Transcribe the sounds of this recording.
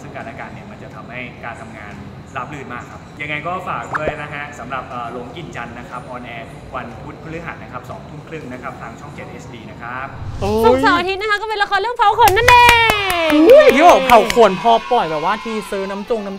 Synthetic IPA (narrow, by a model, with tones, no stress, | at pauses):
sɯ˥˩kaː˧nʔaː˧kaː˨˩t̪̚ni˥˩ma˧nt͡ɕa˨˩t̪ʰa˧mha˥˩jkaː˧nt̪ʰa˧mŋaː˧n | la˦˥p̚lɯː˧nmaː˥˩kʰa˦˥pja˧ŋːa˧jkɔː˥˩faː˨˩k̚du˥˩əjna˦˥kʰa˦˥ʔsa˩˦mɾa˨˩p̚ʔəː˨˩lo˧ŋki˨˧nt͡ɕa˧nːa˦˥kʰɾa˦˥p̚ʔɔː˧nʔɛː˧˥wa˧npʰu˦˥t̪̚pʰːlɯ˦˥ɦa̰˨˩t̪̚na˦˥kʰa˦˥p̚sɔ̰ː˩˦ŋt̪ʰu˥˩nkʰɾɯ˥˩ŋna˦˥kʰa˦˥p̚t̪ʰaː˧ŋt͡ɕʰɔ˥˩ŋt͡ɕe˨˩t̪ʔe˦˥sbiː˧na˦˥kʰa˦˥p̚ʔɤː˧˦ɔ˥˩jŋsa˨˧˦mʔaː˧t̪ʰi˦˥na˦˥kʰa˦˥kɔː˥˩pe˧la˧kʰɔː˧˥lɯ˥˩əŋpʰa˧˩wkʰo˨˦nːa˥nle˧ɯː˦˥ni˦˥˨kʰa˨˩wkʰu˨˩ənpʰɔː˧˦pːɔ˨˩jbɛː˨˩p̚waː˥˩t̪ʰiː˧sɤː˨˥na˦˥mt͡ɕo˧ŋna˦˥m